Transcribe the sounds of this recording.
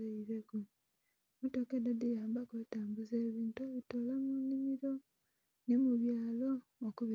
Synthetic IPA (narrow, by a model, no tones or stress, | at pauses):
eiɾeku | mutokedadijaːmbakoitaːmbuzeːβiːntueβitolamunimiɾo̞ | nemuβjaːlo̞ːkuβi